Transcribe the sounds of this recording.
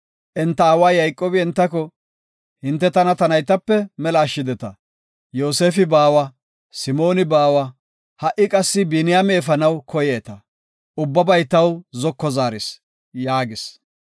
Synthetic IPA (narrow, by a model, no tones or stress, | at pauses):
ʔɛnt̪ːɐaːwaːjɐjkʼːoːbɪɛnt̪ːɐkɔ | hɪnt̪ːɛt̪ɐnɐt̪ɐnɐjt̪ɐpːɛmɛlɐːʃːɪd̪ɛt̪ɐ | jo̞ːse̞ːfɪbaːwɐ | sɪmo̞ːnɪbaːwɐ | hɐʔɪkʼɐsːɪbɪnɪjameːfɐnɐwkʰɔjeːt̪ɐ | ʔʊbːɐbɐjt̪ɐwzɔkːɔzaːɾɪs | jaːɡɪs